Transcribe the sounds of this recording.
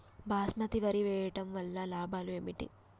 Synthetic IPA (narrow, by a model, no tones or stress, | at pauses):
bʱaːsmɐt̪iʋɐɾiʋɛːjɐʈɐmʋɐlːɐlaːbʱaːlueːmiʈḭ